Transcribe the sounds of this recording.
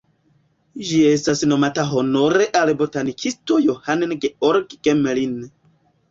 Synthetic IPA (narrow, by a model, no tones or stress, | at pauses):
d͡ʒie̞stasno̞mataɦo̞no̞ɾe̞ʔalbotanikʰisto̞johannɡeoɾɡɡ̥emlin